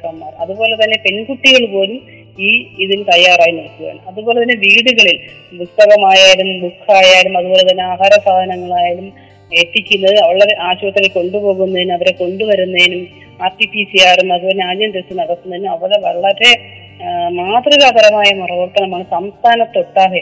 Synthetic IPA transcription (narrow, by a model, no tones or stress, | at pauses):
kːɐmːa̰ːrɐðubo̞ːle̞t̪ɐnːe̞pe̞nɡuʈːiɣɐɭpo̞ːlum | iːiðilt̪ɐjːaːraːjinoɭɐkːuʋa̰ːɳɨɐðubo̞ːle̞t̪ɐnːe̞ʋiːɽuɣɐɭilbust̪ɐɣɐmaːjaːiɽumbukʰːaːjaːjiɽumɐðubo̞ːle̞t̪̬ɐnːeaːɦaːɾɐsaːd̪ɐnɐŋːɐɭaːjiɾum | e̞ːʈ̪ːikʲːunːɐðɨɐʋɐɭːɐɾe̞ʔaːɕuʋɐt̪ːɐleko̞ɳɖupo̞ːɣunːɐðinumɐʋɐɾeko̞ɳɖuʋɐɾunːɐðinum | aːpipːiːsiaːrumɐðubo̞ːleaːd͡ʑɐmd͡ʑest̪ːinɐɽɐk̪ːunːɐðinːɐʋɐɽeʋɐɭːɐɾe̞ | maːt̪riɣab̪ʱɐɾɐmaːjɐmurɐʋɐrt̪ɐnɐmaːɳɨsɐmst̪ʰaːnɐt̪ːoʈːaːɦɐ